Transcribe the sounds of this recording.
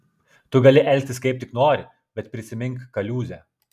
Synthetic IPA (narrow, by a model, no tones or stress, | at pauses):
t̪ʊɡɐlʲɪʔɛlʲk̚ʲt̪ʲɪsʲkʲɛɪp̚ʲt̪ʲɪknoːɾʲɪ | bʲɛt̪pʲɾʲɪsʲɪmʲɪŋkkɐlʲuːzʲɛ